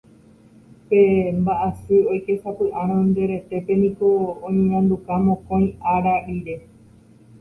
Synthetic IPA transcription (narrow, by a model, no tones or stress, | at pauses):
pe̞mbaʔasɨojke̞sapɨʔaɾ̃ãnd̪eɾe̞t̪e̞pe̞nĩko̞õjŋãnd̪ukamõkõj̃ʔaɾaɾiɾe̞